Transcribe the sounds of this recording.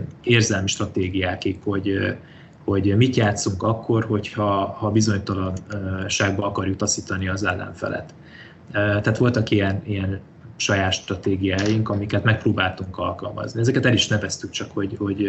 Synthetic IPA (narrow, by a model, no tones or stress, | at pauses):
eːrzɛlmiʃt̪rɒt̪eːɡijaːkikho̞ɟ | ho̞ɟmit̪jaːt̪suŋkɒkːo̞rɦo̞chɒhɒbizo̞ɲt̪ɒlɒnːʃaːɡbɒɒkɒrjuk̚t̪ɒsiːt̪ɒniɒzɛlːɛ̰ɱfɛ̰lʔɛ̰t̪ː | t̪ɛat̪ʋo̞lt̪ɒkijɛnijɛn | ʃɒjaːt̪ʃt̪rɒt̪eːɡijaːjiŋkɒmikɛt̪mɛk̚proːbaːlt̪uŋkɒlkɒlmɒ̰zniɛzɛkɛt̪ɛliʃnɛvɛst̪yk̚t͡ʃɒkho̞ɟho̞ɟ